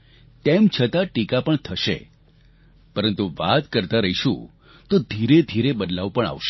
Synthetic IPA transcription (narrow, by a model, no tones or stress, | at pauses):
t̪emt͡ʃʰət̪aʈikapəɳt̪ʰəʃḛ | pəɾənt̪uʋat̪kəɾt̪aɾəɦiʃṵ̃ | t̪od̪ʱiɾed̪ʱiɾebəd̪laʋpəɳa̰ʋʃe